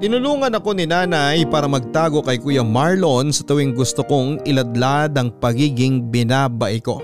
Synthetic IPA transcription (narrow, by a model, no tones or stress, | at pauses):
t̪ɪnʊluːŋɐnɐko̞nɪnaːnɐjpaːɾɐmɐɡ̚t̪aːɡo̞kɐjkuːjɐmaɹlonsɐt̪ɐwɪŋɡʊst̪oko̞ŋɪlɐd̪̚lad̪ɐŋpɐɡiːɡɪŋbɪnaːbɐʔɪko̞